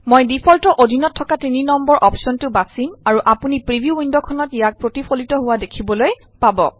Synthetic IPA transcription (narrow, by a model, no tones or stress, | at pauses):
mojdipʰɔltɔʔodʱinɔtʰːɔkatininɔmbɔɹʔɔpsɔntʊbasimaɹuʔapunipɹibʱijuundɔkʰɔnɔtijak̚pɹotipʰolitɔɦʊwadekʰibɔloj | pabɔ̰